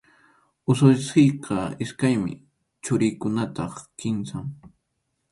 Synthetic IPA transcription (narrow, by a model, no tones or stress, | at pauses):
ʊsʊjsejqɑɪskajmɪ̰ | t͡ʃʊɾɪjkʊnat̪ɑχkɪnsaŋ